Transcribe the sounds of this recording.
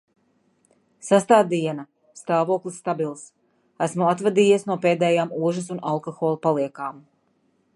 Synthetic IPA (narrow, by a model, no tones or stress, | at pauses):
sast̪aːd̪iɛna | st̪aːvuɔklˠisːt̪abilˠs | æsmuat̪vad̪iːjiɛsnuɔpeːd̪ɛːjaːmuɔʒasunalˠkoxoːlˠupalˠiɛkaːm